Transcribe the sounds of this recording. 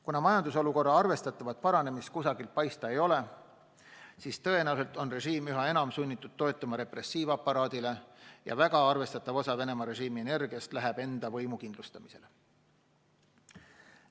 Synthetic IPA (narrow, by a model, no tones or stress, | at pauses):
kunɑmɑjɑnd̪uso̞luko̞rːɑɑrve̞st̪ɑt̪ːˑɑvɑt̪̚pɑɾɑne̞mist̪̚kusɑɡilt̪̚pɑjst̪ɑe̞jo̞le̞ | siːst̪ɤ̞e̞næwse̞lt̪ˑo̞nre̞ʒiːmyɦɑe̞nɑmsunʲːit̪ːˑud̪̥t̪ːo̞et̪ːˑɑmɑɾe̞pre̞sːiːvɑpːˑɑɾɑːd̪̥ile̞jɑ̰væɡ̥ɑɑrve̞st̪ɑt̪ːˑɑvo̞sɑve̞ne̞mɑɾe̞ʒiːmie̞ne̞rɡ̥iɑst̪læɦæb̥e̞nd̪̥ɑvɤ̞jmukind̪lust̪ɑmise̞le̞